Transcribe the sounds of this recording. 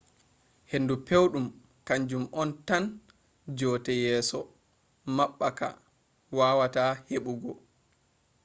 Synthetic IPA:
hendupewɗum | kaɲd͡ʒumɔntan | d͡ʒɔːtɛjɛːsɔ | maɓːaka̰ | waːwataheɓuɡɔ

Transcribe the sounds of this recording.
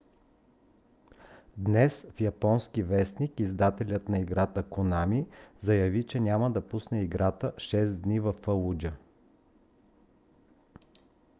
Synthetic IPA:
d̪nɛsfjɐpɔnskivɛsnikizd̪at̪ɛlʲət̪nɐiɡɾat̪əkonamizɐjɐvit͡ʃɛnʲaməd̪ɐpusnɛiɡɾat̪əʃɛsd̪nivɐfəlˠud͡ʒə

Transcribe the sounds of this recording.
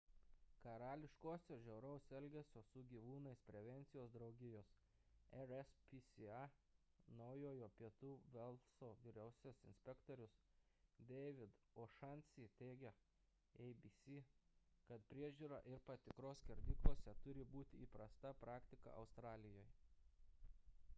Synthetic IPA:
kɐɾɑːlʲɪʃkoːsʲɛʒʲɛʊɾɐʊsɛlʲɡʲɛsʲoːssʊɡʲiːʋuːnɐɪspʲɾʲɛʋʲɛnʲt̪sʲɪjoːsd̪ɾɒʊɡʲɪjoːs | ɛɾɛspʲisʲɪɑ | nɒʊjoːjoːpʲiɛt̪uːʋʲɛlˠsoːʋʲɪɾʲɛʊsʲɛsɪ̰nʲsʲpʲɛkt̪ɔɾʲʊs | d̪ʲɛɪʋʲɪd̪ | oːʃɑnʲsʲiːt̪ʲɛːɡʲɛ | ɛɪbʲiːsʲikɐt̪pʲɾʲiɛʒʲuːɾɑːʔɪɾpɐt̪ʲɪkɾoːsʲkʲɛɾʲd̪ʲiːklˠuɔsʲɛt̪ʊɾʲɪbuːt̪ʲɪiːpɾɐst̪ɐpɾɑːkt̪ʲɪkɐ̰ɐ̰ʊst̪ɾɑːlʲɪjoːj

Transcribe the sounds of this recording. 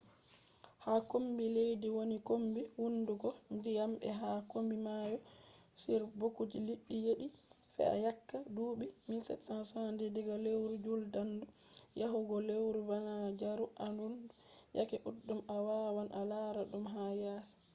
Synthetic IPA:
hakombilejdiwonikombiwunduɡɔndijambɛ̰ɦakombimajɔ | siɾbokud͡ʒiliɗːijeɗi | fɛ̰a̰jakːaduːɓimilsɛ̰tːansɔandɛdɛɡalewɾud͡ʒuldandujaɦuɡɔlewɾubanad͡ʒaɾuʔanunduja̰kɛʔudːumawawanʔalaːɾaɗumɦajaːsḁ

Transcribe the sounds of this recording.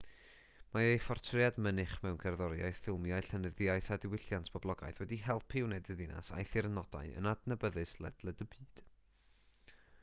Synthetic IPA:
maejfɔrtʰrɪadmənɨχmɛwnkʰɛrðɔɾja̰jθɪlˠmjajɬənəðɪajθadɪwɪɬjantʰb̥ɔblˠɔɡa̰jθwɛdiɦɛlˠpʰɪwnɛdəðɪna̰sa̰jθɪrnɔd̥a̰ɨə̰nadnəbəðɨslˠɛ̰dlˠɛdəbɨːd̥

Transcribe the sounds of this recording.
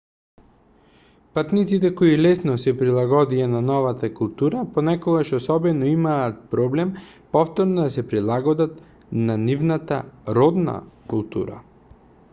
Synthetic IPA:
pat̪nit̪sit̪ɛkoilɛsnɔsɛpɾilˠaɡɔd̪iananɔvat̪akulˠt̪uɾapɔnɛkɔɡaʃɔsɔbɛnɔimaːt̪̚pɾɔblɛm | pɔft̪ɔɾnɔd̪asɛpɾilˠaɡɔd̪at̪ | nanivnat̪aɾɔd̪na̰kulˠt̪ṵɾa̰

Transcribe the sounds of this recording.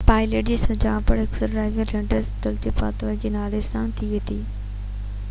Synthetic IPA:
paːɪleːʈ̚d͡ʑiːsʊd͡ʑãːpəɽɦɪksəɖɾaːɪʋiəlẽɳɖəɾsd̪ʊlt͡ɕɪpa̰ːt̪oʋəd͡ʑiːnaːlesãt̪ʰiʋet̪ʰiː

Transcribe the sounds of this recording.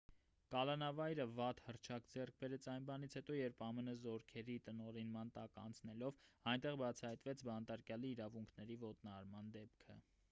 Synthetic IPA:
kɑlɑnɑvɑjɾəvɑt̪hərt͡ʃʰɑkd͡zɛrk̚ʰbɛɾɛt͡sʰɑjnbɑnit͡sʰhɛt̪ɔjɛɾpʰɑmənəzɔɾkʰɛɾit̪ənɔɾinmɑnt̪ɑkɑ̰nt͡sʰnɛlɔvɑjnt̪ɛʁbɑt͡sʰɑhɑjt̪vɛt͡sʰbɑnt̪ɑɾkjɑliːɾɑvuŋkʰnɛɾivɔt̪nɑɾmɑnd̪ɛpkʰə

